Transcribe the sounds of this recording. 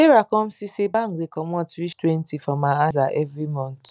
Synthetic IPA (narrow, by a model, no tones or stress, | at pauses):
eɾakɔm̩sisibaŋkdekɔmɔtɾitwentifɾɔmaazaʔɛvɾimɔ̃n̩t